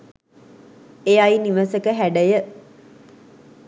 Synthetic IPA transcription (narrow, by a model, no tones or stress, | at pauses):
eajniʋəsəkəɦæɖəjə